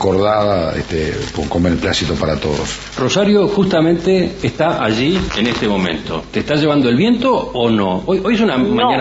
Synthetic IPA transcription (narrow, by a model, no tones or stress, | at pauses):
koɾðaðaḛht̪epokomeɾplasit̪opaɾat̪o̰ðo̰s | rosaɾjo̞xust̪amẽ̞nt̪eːst̪aʔaʒienest̪emõ̞mḛ̃nt̪o̞̰t̪est̪aʒeβand̪oe̞lβje̞nt̪oːno̰ojojesunamãɲan